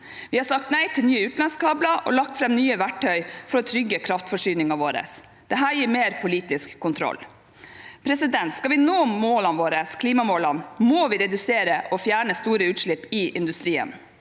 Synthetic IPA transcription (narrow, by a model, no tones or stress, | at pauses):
ʋɪhɑɾsɑkt̪næɪt̪ʰɪlnyːəʉːt̪n̩lɑnskɑːblɑʔɔ̰lɑk̚t̪fɾɛmnyːəʋæʈʰœʏfɔɾɔt̪ʰɾʏɡːəkʰɾɑft̪fɔʂyːnɪŋɑʋoːɾə̰s | d̪̥ɛɦæːɾjiːɾmeːɾpʰʊliːt̪ɪskʰːʊnt̪ʰɾɔ̰lː | pʰɾɛsɪd̪ɛnt̪skɑʋɪnoːmoːlɑnʋoːɾəskʰliːmɑmoːlɑnmoʋɪɾɛd̪ʉseːɾəʔɔfjæːɳəst̪uːɾəʉːt̪ʂɭɪpːɪʔɪnd̪ʉst̪ɾiːə̰n